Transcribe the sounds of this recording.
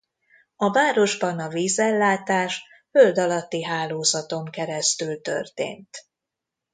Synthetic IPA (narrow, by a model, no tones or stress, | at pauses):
ɒvaːɾo̞ʒbɒnɒviːzɛlːaːt̪aːʃ | føld̪ɒlɒt̪ːiɦaːloːzɒt̪o̞ŋkɛɾɛst̪ylt̪ø̰rt̪ḛːnt̪